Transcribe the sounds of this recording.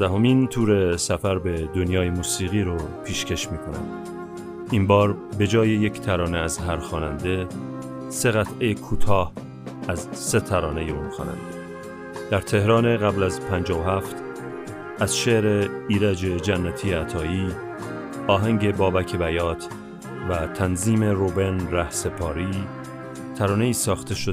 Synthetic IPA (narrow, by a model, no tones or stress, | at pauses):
æɦo̞miːnt̪ʰuːɾe̞sæfæɾbe̞d̪onjɒːjemuːsiːɣiːɾopʰiːʃcʰeʃmiːkʰo̞næ̰m | imbɒːɾbe̞d͡ʒɒːje̞jecʰt̪ʰæɾɒːne̞æzɦæɾxɒːnænd̪e̞ | se̞ɣæt̪ʰʔejekʰuːt̪ʰɒːh | æzse̞t̪ʰæɾɒːne̞jeuːnxɒ̰ːnæ̰nd̪̥e | d̪̥æɾt̪ʰe̞hɾɒːne̞ɣæblæzpʰænd͡ʒɒːvohæft̪ | æz̥ʃeɾeiːɾæd͡ʒe̞d͡ʒænːæt̪ʰiːjeæt̪ʰɒːiː | ɒːɦæŋɟe̞bɒːbæcʰe̞bæjɒːt̪ʰ | væt̪ʰænziːme̞ɾobe̞nɾæhse̞pʰɒːɾiː | t̪ʰæɾɒːne̞iːsɒːxt̪ʰe̞ʃo